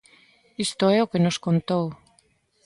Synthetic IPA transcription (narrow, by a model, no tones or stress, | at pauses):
ist̪oeokenoskont̪ow